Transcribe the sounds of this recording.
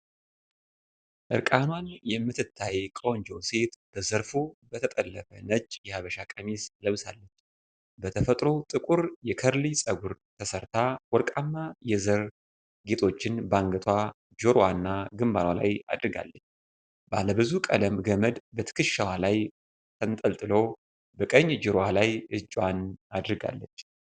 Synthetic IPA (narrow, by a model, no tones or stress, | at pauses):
ʔɨɾkʼanwanjɛmːɨt̪ʰɨt̪ʰːajkʼoɲd͡ʒowse̞t̪b̥əzəɾfubət̪ʰət̪ʼəlːəfənət͡ʃʼːjɛhaβəʃakʼəmisləβsalːəɲt͡ʃː | bət̪ʰəfət̪ʼɾo̞t̪ʼɨkʼuɾjɛkʰəɾlisʼəɡuɾt̪ʰəsəɾt̪ʰawɔɾkʼanːajɛzəɾ | ɡe̞t̪ʰo̞t͡ʃːɪnbaŋɡət̪ʰwa | d͡ʒoɾwanːaɡɨmbaɾwala̰ja̰d̪ɾɨɡa̰lːət͡ʃː | baləbɨzukʼələmɡəməd̪bət̪ʰɨ̥kɨʃːawalaj | t̪ʰənt̪ʼəlt̪ʼɨlo | bəkʼəɲːd͡ʒʊɾwalajɨd͡ʒʼwanad̪ɾɨɡa̰lːət͡ʃː